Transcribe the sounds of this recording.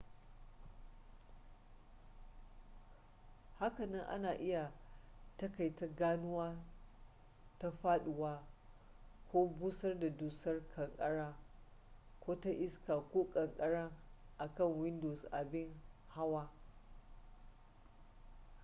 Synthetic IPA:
ha˦kɐ˨nɐ˦ŋʔa̰˦naː˨ʔɪ˦ja˨tɐ˦ka˨jtɐ˦ɡaː˦nʊ˦waː˦ | ta˦ɸaː˦ɗʊ˨waː˦ | kʷoː˦buː˦sɐ˦rda˨duː˨˦sɐ˦rkʰɐ˨ŋkʼɐ˦ɽaː˦ | kʷoː˦ta˦ʔɪ˦skaː˨kʷoː˦kʼɐ˨ŋkʼɐ˦ɽɐ˦ŋʔa˨kɐ˦˨ŋwɪ˦ndoː˨sʔa˨bɪ˦ŋha˦waː˦

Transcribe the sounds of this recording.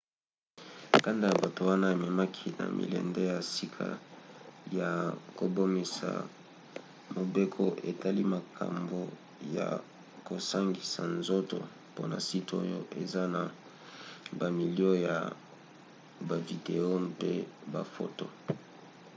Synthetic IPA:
ka˦nda˦ja˨ba˨to˨wa˦na˦e˨mɛ˨ma˦kʰi˦na̰˨mʔḭ˨lɛ̰˨ndɛ˦ja˨si˦kʰa̰˦ | ja˨ko˨bo˦mi˨sa̰˨ | mo˨be˦kʰo˦ʔe˨ta˦li˦ma˨kʰa̰˨mbo˨ | ja̰˨ | ko˨sa˦ŋɡi˨sa˨nzo˦to̰˨ | po˦na̰˨si˦to̰˦jo˦ʔe˨za˦na˨ | ba˨mi˨li˦o˦ja̰˨ | ba˨vi˨de˨o˦pe˦ba̰˨fo˦to˨

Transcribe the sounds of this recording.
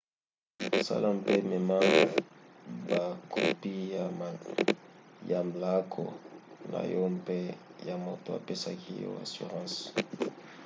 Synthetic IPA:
a˨sa̰˦la˦mpe˦mɛ˨ma˦ | ba˨kʰo˨pi˦˨ | ja˨mbla˦kʰo̰˨na̰˨jo˦mpe˦ja˨mo˨to˦a̰˨pe˦sa˦kʰi˦jo̰˦a̰˨sy̰˨ʁɑ̃˦s

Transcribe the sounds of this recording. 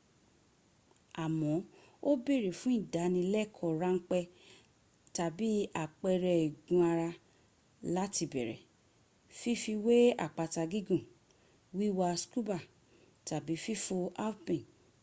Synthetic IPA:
a˨mɔ̃˨˦ | o˦be˦˨ɾe˨fũ˦ĩ˦˨da˨˦nĩ˧lɛ˦˨kʰɔ˨ɾa˦ŋ̩˦k͡pɛ˧ | ta˨bi˨˦a˦˨k͡pɛ˧ɾɛ˧i˨ɡũ˨˦a˧ɾa˧ | la˦ti˧˨bɛ̰˨ɾɛ̰˨ | fi˦fi˧we˦a̰˨k͡pa˧ta˧ɡi˦ɡũ˦˨ | wi˦wa˧sku˦ba˦˨ | ta˨bi˨˦fi˦fo˧a˦pĩ˨n

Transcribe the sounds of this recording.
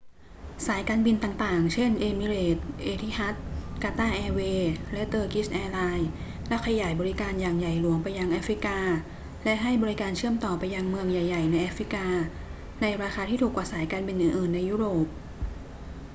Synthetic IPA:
saː˩˦jkaː˧nbi˧nt̪aː˨˩ŋt̪aː˨˩ŋt͡ɕʰe˥˩nʔeː˧mi˧leː˨˩t̪̚ʔeː˧t̪ʰi˦˥ha˦˥t̪̚kaː˧t̪aː˥˩ʔɛː˧weː˧lɛ˦˥ʔt̪ɤː˧ki˦˥sʔɛː˧laː˧j | lɛ˦˥kʰa˧ja˨˩jbɔː˧ɾi˦˥kaː˧njaː˨˩ŋja˨˩jlu˨˩˦əŋpa˧jːa˧ŋʔaː˦˥fɾi˦˥kaː˧ | lɛ˦˥ʔɦa˥˩jbɔː˧ɾi˦˥kaː˧nt͡ɕʰɯ˥˩əmt̪ɔː˨˩pa˧jːa˧ŋmɯ˧əŋja˨˩jːa˨˩jna˧jʔaː˦˥fɾi˦˥kaː˧ | na˧jɾaː˧xaː˧t̪ʰiː˥˩uː˨˩kwaː˨˩saː˩˦jkaː˧nbi˧nʔɯː˨˩nʔɯː˨˩nːa˧jːuː˦˥ɾoː˨˩p̚

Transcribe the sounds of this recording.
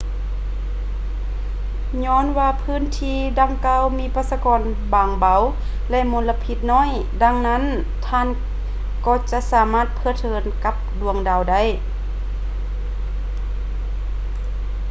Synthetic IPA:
ɲɔː˧˥˨nwaː˧pʰɯː˧˥˨nt̪ʰiː˧da˧ŋkaː˧˥˨wmiː˧˥˨paː˧˥t̪sa˧kɔː˧˨n | baː˨ŋba˨˧w | lɛ˧˨ʔmo˧nla˧pʰi˧˥t̪̚nɔː˧˥˨j | da˧ŋna˧˥˨n | t̪ʰaː˧˨n | kɔː˧˩t͡ɕa˧ʔsaː˨˦maː˧˥˨t̪̚pʰɤː˧˨t̪ʰɤː˨˧˦nka˧˥p̚du˧˩əŋda˨˧˨wda˧˥˨j

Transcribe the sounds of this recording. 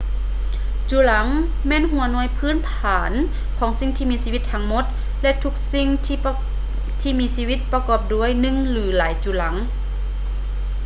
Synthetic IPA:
t͡ɕuː˧˦la˨˦ŋ | mɛː˧˥˨nɦu˧˦ɐnɔː˧˩˨jpʰɯː˧˥˨npʰaː˩˦n | kʰɔː˨˩˦ŋsi˧˥˨ŋt̪ʰiː˧˨miː˧siː˧wi˧˦t̪ʰːa˧˥ŋmo˧˥t̪̚ | lɛ˧t̪ʰu˧˥k̚si˧ŋt̪ʰː | t̪ʰiː˧˨miː˧˥siː˧wi˧˥t̪̚pa˧kɔː˧˩p̚du˧˥˨əjnɯ˧˨ŋlɯː˨˩˦laː˨˦jt͡ɕuː˧˩la˩˦ŋ

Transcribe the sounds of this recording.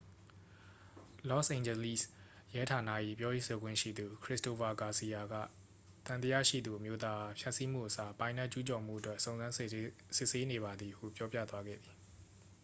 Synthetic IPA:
lɔ˦˨sʔẽ˨ɲd͡ʑɛ˨li˦˨s | jɛ˦tʰa˨na̰˦˨ʔḭ˦˨pjɔ˦je˦˨so˨ɡwɪ̰̃˦˨ʃḭ˦˨d̪u˨kʰɹɪ˦sto˨fa˨ka˨si˨ja˨ɡa̰˦˨ | t̪ã˨t̪ə˦jä̰˦˨ʃḭ˦˨d̪u˨ʔəmjo˦t̪a˦ʔa˨pʰja˦˨ʔsi˦m̥ṵ˦ʔəsa˨pã˨ɪ̃na˦ʔt͡ɕu˦t͡ɕɔ˨m̥ṵ˦ʔətwɛ˦ʔsõ˨ʊ̃nzã˦sɪ˦ʔse˦ne˨βa˨d̪i˨hṵ˦˨pjɔ˦pjä̰˦˨t̪wa˦ɡɛ̰˦˨d̪ði˨

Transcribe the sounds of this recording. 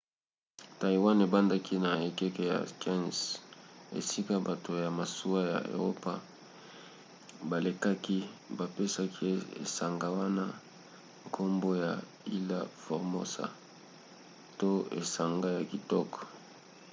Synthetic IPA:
ta˨i˨wa˦ne˨ba˦nda˦ki˦na˨e˨kɛ˦ke˦ja̰˨skɛ˦n˨s | ḛ˨si˦ka˦ba˨to˨ja˨ma˨su˦a˦ja̰˨o̰˨ʁo˦pa˦ | ba˨le˨ka˦ki˦ba˨pe˦sa˦kʰi˦ḛ˨sa˨ŋɡa˦wa˦na˦ | ŋkʰo˦mbo˦ja˨ | i˦la̰˦fɔ˨ʁmo̰˦sa̰˨ | to˦e˨sa˨ŋɡa˦ja˨ki˨tɔ˦kɔ̥˨

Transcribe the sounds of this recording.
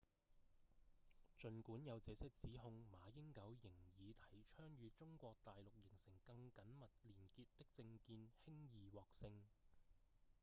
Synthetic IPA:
t͡ʃɵ˨nkuː˨˥njɐ˨˧wt͡sɛː˨˧sɛ˥k̚t͡siː˨˥ɦʊ˧ŋmaː˨˧jɪ˥ŋkɐ˨˥wjɪ˨˩ŋjiː˨˧t̪ʰɐ˨˥jt͡ʃʰœː˥ŋjyː˨˧t͡sʊ˥ŋkʷɔː˧k̚t̪aː˨jlʊ˨k̚jɪ˨˩ŋsɪ˨˩ŋkɐ˧ŋkɐ˨˥nmɐ˨t̚liː˨˩nkiː˧tt̪ɪ˥k̚t͡sɪ˧ŋkiː˧nhɪ˥ŋjiː˨wɔː˨k̚sɪ˧ŋ

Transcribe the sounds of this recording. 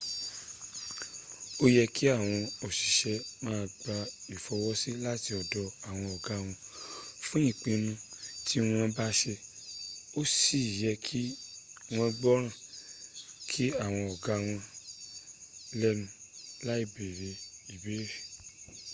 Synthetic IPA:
o˦jɛ˧ki˦a˦˨w̃ɔ̃˧ɔ˨ʃi˨ʃɛ˧mãː˦˧ɡ͡ba˧i˨fɔ˧wɔ˦si˦la˦ti˧ɔ˨dɔ˧a˦˨w̃ɔ̃˧ɔ˨ɡa˨˦˧w̃ɔ̃˧fũ˦ĩ˦˨k͡pĩ˧nũ˧ti˦w̃ɔ̃˧ba˦ʃe˧ | o˦si˦˨jɛ˧kʰi˦w̃ɔ̃˧ɡ͡bɔ˦ɾ̃ã˦˨ | kʰi˦a˦˨w̃ɔ̃˧ɔ˨ɡa˦w̃ɔ̃˧ | lɛ˦nũ˧˦la˦i˦˨be˨ɾe˧i˨be˨˦ɾe˦˨

